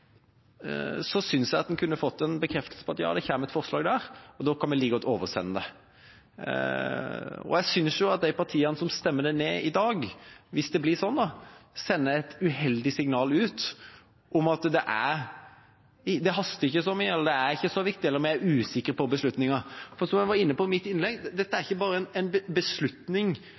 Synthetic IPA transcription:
sɔsʏnsjæɪɑt̪d̪ɛnkʰʉnːəfɔt̪ːɛnbəkʰɾɛft̪əlsə̥pʰɔɑt̪jɑ̰ːd̪ɛçæːməɛt̪fɔʁslɑ̰ːɡd̪æɾɔd̪oːkʰɑnmɛliːɡɔt̪ːoːʋəsɛ̰nːəd̪ɛ | ɔ̰jæɪsʏnsjʊɑt̪̚d̪æɪpɑɾt̪ʰiːɑnəsɔmst̪ɛmːəd̪æɪneːʔɪd̪ɑːɡʋɪsd̪ɛblɪsɔnːd̪ɔsɛnːəɛt̪ʉhɛld̪ɪsɪŋnɑːlʉːt̪ | ʔɔmɑt̪d̪ɛʔæɾ | ɪd̪ɛɦɑst̪əɪçːəsɔmɪɛləɾd̪ɛæɾɪçːəsɔʋɪk̚t̪ɪɛlːəɾmɛæɾʉːsɪkːəɾpɔbəslʉt̪nɪŋɑfɔɾsɔmjæʋɑɾɪnːəpɔɪmɪt̪ːɪnlɛɡd̪ɛt̪ːəæɾɪçːəbɑːɾəɛnɛnbəbəslʉt̪nɪŋ

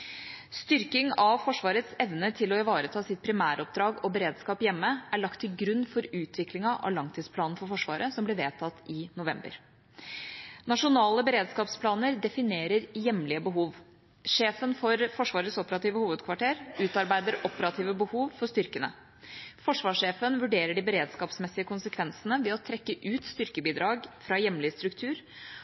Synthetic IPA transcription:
st̪ʏɾkɪŋɑʋfɔʂʋɑːɾət̪sɛʋnət̪ʰɪlɔɪʋɑːɾət̪ʰɑːsɪt̪̚pʰɾɪmæːɾəɔp̚d̪ɾɑːɡɔbəɾeːd̪skɑːpjɛmːəæɭɑkt̪ʰːɪlɡɾʉnːfɔɾʉːt̪ʰʋɪklɪŋɑʔɑ̰lɑŋt̪ʰiːd̪spʰlɑːnn̩fɔɾfɔʂʋɑ̰ːɾʔəsɔmblɪʋeːt̪ʰɑt̪ːɪnʊʋɛmbə̰ɾ | nɑʂʊnɑːləbəɾeːd̪skɑːpspʰlɑːnəɾd̪ɛfɪneːɾəɾjɛmlɪəbəɦuːʋ | ʂeːfənfɔɾfɔʂʋɑːɾəsɔpəɾɑt̪iːʋəhuːʋəd̪kʰʋɑʈeːɾʉːt̪ɑɾbæɪd̪əɾɔpəɾɑt̪ʰiːʋəbəhuːʋfɔʂt̪ʏɾkənə̰ | fɔʂʋɑːʂeːfənʋʉɖeːɾəɖɪbəɾeːd̪skɑːpsmɛsːɪəkʊnsəkʰʋɛnsənəʋɛɔt̪ʰɾɛkːəʔʉːt̪st̪ʏɾkəbiːd̪ɾɑːɡfɾɑjɛmlɪst̪ɾʉkt̪ʰʉːɾ

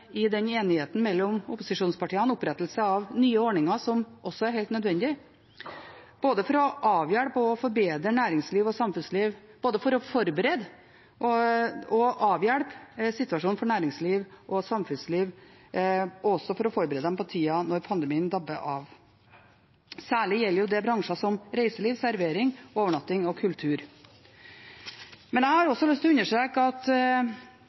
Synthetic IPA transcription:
ɪd̪ɛneːnɪheːt̪n̩mɛlːɔmʊpʊsɪʂuːnspɑʈiːəɑnʊpɾɛt̪ːəlsəɑʋnyːəɔɳɪŋɑʂɔmʔɔsːɔæɾhɛːlt̪nœd̪ʋɛnd̪ɪ | b̥oːd̪əfɔɾɔʔɑːʋjæɽpɔːfɔɾbeːd̪ɾəɳæːɾɪŋsliːʋɔsɑmfʉnsliːʋ | b̥oːd̪əfɔɾɔfɔɾbəɾed̪ | ʔɔɔʔɑːʋjæɽpsɪt̪ʉɑʂuːnfɔɳæːɾɪŋsliːʋʔɔsɑmfʉnsliːʋ | ɔsɔfɔɾɔfɔɾbəɾeːd̪əɛmpɔt̪ʰiːɑnɔɾpʰɑnd̪əmiːənd̪ɑbːəʔɑːʋ | sæːɭɪjɛlːəɾjʊd̪ɛbɾɑŋʂɑsɔmɾeɪsəliːʋsæɾʋeːɾɪŋoːʋəɳɑt̪ːɪŋɔkʰʉlt̪ʰʉːɾ | mɛnæɪhɑɾɔsːɔlʏst̪ʰːɔʉnːəʂʈɾeːkəɑt̪

